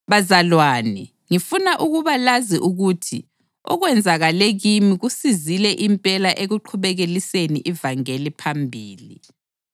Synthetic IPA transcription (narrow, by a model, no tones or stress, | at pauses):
βazalwaːni | ŋifunaʔuɣuβalaziʔuɣutʰḭ | ɔ̰ɣwɛnd͡zʱaɣaleɣimiɣusizilɛʔimpʼɛlaʔeɣuǃʰuβɛɣelisenḭʔivaŋelipʰambʱiːlḭ